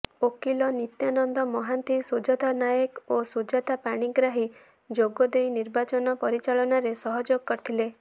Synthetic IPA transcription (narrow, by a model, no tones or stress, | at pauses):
okilɔnit̪janɔnd̪ɔmɔɦant̪isud͡ʒat̪anajekosud͡ʒat̪apaɽ̃iɡɾaɦi | d͡ʒoɡɔd̪ejniɾbat͡ʃɔnɔpɔɾit͡ʃaɭɔnaɾesɔɦɔd͡ʒoɡɔkɔɾt̪ʰile